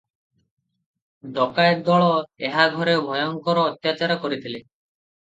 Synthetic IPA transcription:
d̪ɔkaj̚d̪ɔɭɔeɦaɡʱɔɾebʱɔjɔŋkɔɾɔːt̪jat͡ʃaɾɔkɔɾit̪ʰile

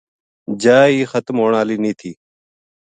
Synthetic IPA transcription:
d͡ʒaːiːxət̪mɦoːɳaːliːnĩːt̪ʰiː

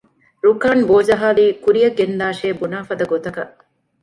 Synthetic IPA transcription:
ɾukaːnboːd͡ʒɐɦaːliːkuɾijɐɡend̪aːʃeːbunaːfɐd̪ɐɡot̪ɐkɐʔ

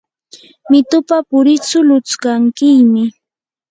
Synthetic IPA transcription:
mɪt̪ʊpapʊɾɪt͡sʊlʊt͡skaŋkɪjmɪ

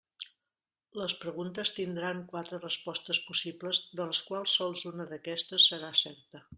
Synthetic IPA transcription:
ləspɾəɣunt̪əst̪ind̪ɾaŋkwat̪ɾərəspɔst̪əspusibləzðələskwalˠsːɔlˠzunəðəkɛst̪əsːəɾasɛɾt̪ə

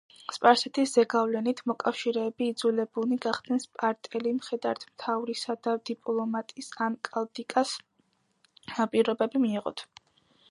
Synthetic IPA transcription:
spʼaɾsɛt̪ʰisz̥ɛɡavlɛnit̪ʰmɔkʼafʃiɾɛːbiːd̪zulɛbuniɡaχd̪̥nɛnspʼaɾt̪ʼɛlimχɛd̪aɾt̪ʰmt̪ʰavɾisad̪ad̪ipʼlˠɔmat̪ʼisankʼald̪ikʼas | napʼiɾɔbɛbimiːʁɔ̰t̪ʰ

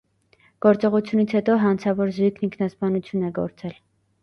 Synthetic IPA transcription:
ɡ̥ɔɾt͡sɔʁut͡sʰjunit͡sʰhɛt̪ɔɦɑnt͡sʰɑvɔɾzujkʰniŋkʰnɑspɑnut͡sʰjunɛɡɔ̰ɾt͡sɛl

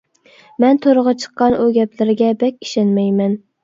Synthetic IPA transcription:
mɛnt̪ʰoɾəʁɑt͡ʃʰə̥qːɑnuɡʲɛplɪɾɪɡʲɛbɛkʲi̥ʃɛnmɛjmɛn

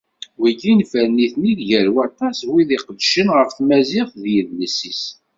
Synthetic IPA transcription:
wiɡinfəɾniθniðʝæɾwɑt̪ˤɑswiðiqəd̪ʃənʁəfθmæzɪθðjəðləsis

